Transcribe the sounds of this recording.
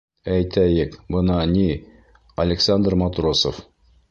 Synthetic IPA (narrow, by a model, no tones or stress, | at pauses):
æjt̪æjɘkbɤnɑni | ɐlʲɪksand̪rmɑt̪rosof